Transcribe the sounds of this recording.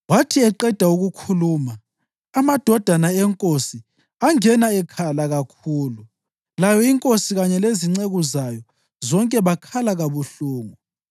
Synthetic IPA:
watʰiɛǃɛd̥ʱauɣukʰuluːmaː | mad̥ʱɔd̥ʱanaɛŋkʼosi | aŋɛnaɛkʰalaɣakʰuːlu | lajɔiŋkʼosiɣaɲɛleziŋ͡ǀeɣuzajɔ | zɔŋkʼɛβakʰalaɣaβuɬuːŋu

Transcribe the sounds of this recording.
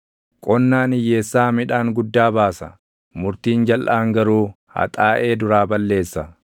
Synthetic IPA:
kʼɔnːaːnɪjːeːsːaːmɪᶑaːŋɡʊd̪ːaːbaːsɐ | mʊɾt̪iːnd͡ʒɐlʔaːŋɡɐɾuː | hɐ̰t̪ʼaːʔe̞ːd̪ʊɾaːbɐlːe̞ːsːɐ

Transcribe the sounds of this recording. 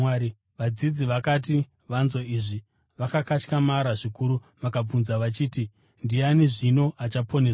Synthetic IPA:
i | ʋad͡zid͡ziʋakat̬i | ʋanzo̞iːʐi | ʋakakat͡ʃkamaɾaʐikuɾu | ʋakab͡vunzaʋat͡ʃiːti | ndianeʐino̞ʔat͡ʃapʰo̞ne̞sa

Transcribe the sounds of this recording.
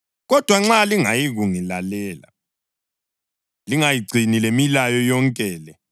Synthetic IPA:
ɣɔd̥ʱwaŋ͡ǁaliŋajiɣuŋilalɛːla̰ | liŋajiɡ͡ǀʱinilemilajɔjɔŋkʼɛːlɛ

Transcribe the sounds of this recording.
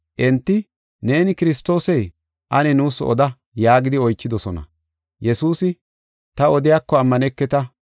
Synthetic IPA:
ʔɛnt̪ːɪ | ne̞ːnɪkɪɾɪs̬t̪o̞ːsɛj | ʔɐnɛnuːsɔ̰d̪ɐ | jaːɡɪd̪ɪɔjt͡ʃːɪd̪ɔsɔnɐ̰ | jɛsuːsɪ | t̪ɐɔd̪ɪjaːkːɔɐmːɐnɛkːɛt̪ɐ

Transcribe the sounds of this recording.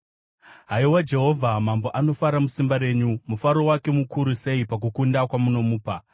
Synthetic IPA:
ɦaiwad͡ʒe̞ɦo̞vʱamambo̞ʔano̞faɾamusimbaɾe̞ːɲumufaɾo̞wake̞mukʰuɾuse̞ipak̬ukundakwamuno̞muːpa

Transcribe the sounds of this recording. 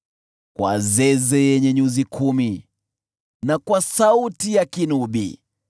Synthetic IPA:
kwʔa̰zɛzɛjɛɲɛɲuzikʰumi | nakwasautijakinuɓḭ

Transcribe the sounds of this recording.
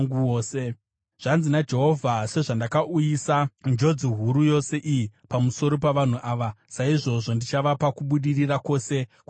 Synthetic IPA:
ŋɡuoːse | ʐ̥anzinad͡ʒe̞ɦo̞vʱase̞ʐandakaʔujisand͡ʒo̞d͡ziɦuɾujo̞se̞ʔijipamuso̞ɾo̞p̬aʋan̤uʔaːʋasaiʐo̞ʐo̞ndit͡ʃaʋapakuɓuɗirirako̞ːse̞k

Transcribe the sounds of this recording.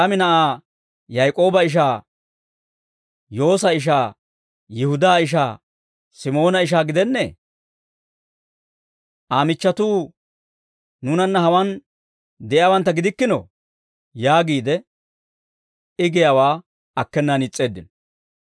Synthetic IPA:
ɐmɪnɐʔaː | jɐjkʼo̞ːbɐɪʃ̬aː | jo̞ːs̬ɐɪʃ̬aː | jɪhʊd̪aːɪʃ̬aː | sɪmo̞ːnɐɪʃ̬aːɡɪd̪ɛnːɛḛː | ʔaːmɪt͡ʃːɐt̪uː | nunɐnːɐhɐwɐn | d̪ɛʔjaːwɐnt̪ːɐɡɪd̪ɪkːɪno̰ | jaːɡiːd̪ɛ | ɪɡɛjawaː | ɐkːɛnːɐnɪt͡sʼːe̞ːd̪ːɪn

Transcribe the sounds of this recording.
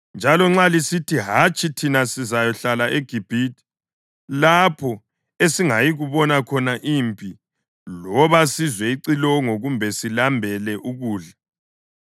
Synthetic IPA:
nd͡ʒʱalɔŋ͡ǁalisitʰiɦat͡ʃʼitʰinasizajɔɬalaʔeɡ̥ʱib̥ʱitʰʼi̥ | lapʰɔ | esiŋajiɣuβɔnakʰɔnaʔiːmpʼi | lɔβasizwɛiǀilɔŋoɣumbʱɛsilambʱɛlɛʔuɣuːɮa

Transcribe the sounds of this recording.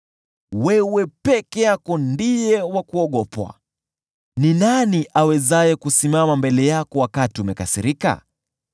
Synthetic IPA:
wɛwɛpɛkɛjakɔndijɛwakuɔɠɔpwa̰ | ninaniʔawɛzajɛkusimamambɛlɛjakɔwakatiumɛkasiɾika̰

